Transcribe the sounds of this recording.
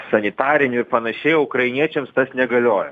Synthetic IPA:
sɐnʲɪt̪ɑːɾʲɪnʲʊɪɾpɐnɐʃʲɛɪʊkɾɐɪnʲiɛt͡ʃʲɛmst̪ɐsnʲɛɡɐlʲoːjɛ

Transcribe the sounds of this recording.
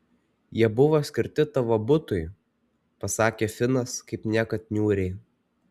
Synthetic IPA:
jiɛbʊʋosʲkʲɪɾʲt̪ʲɪt̪ɐʋobʊt̪ʊɪ | pɐsɑːkʲeːfʲɪnɐskɐɪpnʲiɛkɐt̪ʲnʲuːɾʲɛɪ

